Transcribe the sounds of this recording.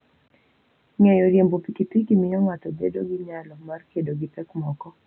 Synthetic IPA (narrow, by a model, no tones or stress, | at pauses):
ŋɛjɔɾjembopikipikimɪjɔŋatɔdḛdoɡiɲalɔmarkedoɡɪtɛkmɔkɔ